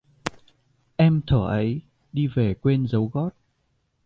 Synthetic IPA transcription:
ʔɛ˧mt̪ʰəː˧˩ʔə˨˦j | ɗi˧ve˨˩kwe˧nzə˨˦wɣɔ˦˥t̚

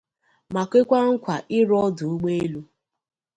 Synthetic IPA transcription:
ma˨kʷe˦kʷa˦ŋ̩˦kʷa˨ʔɪ˦ɾɔ˦dʊ˨u˦ɡ͡be˦e˦lu˦

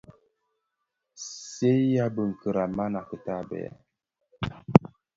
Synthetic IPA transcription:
se˦ja˦bə˨ŋ̩˨kə˨ɾa˨ma˦na˨kə˨ta˦bɛ̰˨a̰˨

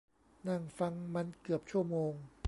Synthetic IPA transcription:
na˥˩ŋfa˧ŋma˧nkɯ˨˩əp̚t͡ɕʰu˥˩ɐmoː˧ŋ

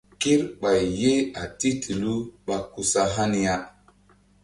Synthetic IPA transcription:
ki˦ɾɓa˨jje˦a˨ti˦tʰi˨lu˦ɓa˦ku˨sa˦ɦa˦ni˦ja˦

